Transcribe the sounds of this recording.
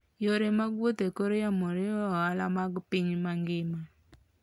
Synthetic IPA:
joɾemaɡwot̪ekoɾejamoɾeɔalamaɡpɪŋmaŋɡɪma

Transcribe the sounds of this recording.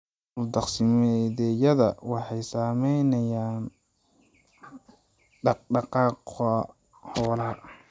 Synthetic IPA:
ʊld̪ɑqsɪmɛðɛjɐðɐwɑħɑjsaːmɛjnɐjaːn | ɑɖɑqɑːqɔ | hɔwlɐhɐ

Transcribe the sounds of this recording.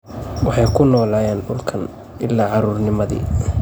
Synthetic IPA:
wɑħɑjkʰʊnɔːlaːjaːnɖʊlkʰɐn | ɪlːaːʕɑɾʊːrnɪmɐðḭː

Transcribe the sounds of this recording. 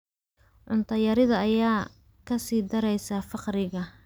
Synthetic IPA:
ʕʊnt̪ʰɐjɐɾɪðɐɐjaː | kʰɐsiːd̪ɐɾɛjsafɑqɾɪɣɐ

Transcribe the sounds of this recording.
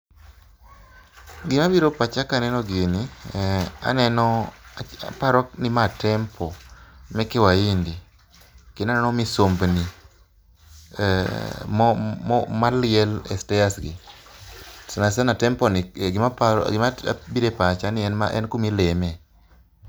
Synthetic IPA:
ɡɪmabiɾopat͡ʃakanɛnɔɡɪnɪ | a̰nɛnɔ̰ | paɾɔknɪmatɛmpʰɔmɛkewaindi | kenanɛnɔmisombni | m | malɪɛlɛ̰stɛjasɡɪ | snasanatɛmpɔnɪɡɪmapaɡɪmaa̰biɾepat͡ʃanɪɛnmaʔɛ̰nkumilemɛ

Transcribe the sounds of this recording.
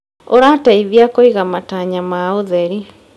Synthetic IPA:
oɾataiðjakoiɣamataɲamaoðɛɾi

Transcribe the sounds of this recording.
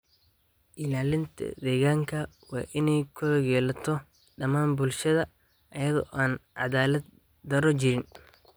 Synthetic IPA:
ʔɪlaːlɪnt̪ʰɐ̰d̪ɛːɣaːŋkʰɐ | wɑ̰ːʔɪnɛjkʰɔɣɛːlɐt̪ʰɔ | ɖɐmaːnbʊlʃɐðɐ | ɐjɐðɔ̰ʔaːnʕɑ̰ðaːlɐd̪̚ | d̪ɐɾɔt͡ʃɪɾɪn

